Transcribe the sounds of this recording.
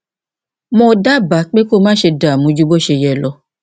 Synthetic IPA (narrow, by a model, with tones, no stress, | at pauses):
mɔ̃˧da˦ba˨˦k͡pe˦ko˦˨mãː˦ʃe˧da˨mũ˨˦d͡ʒu˦bo˦˨ʃe˧jɛ˧˨lɔ˧˦